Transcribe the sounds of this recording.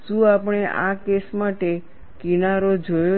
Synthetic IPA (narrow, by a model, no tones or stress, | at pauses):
ʃũapɽ̃eʔa̰kesmaʈe | kinaɾod͡ʒojo